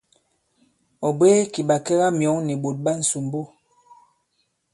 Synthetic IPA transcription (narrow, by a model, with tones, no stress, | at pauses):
ɔ˨beː˦ki˨ɓa˨kɛ˦ɣa˦mjɔ˨˦ŋni˨ɓo˨t̚ɓa˦n̩˨su˨m˦bo˦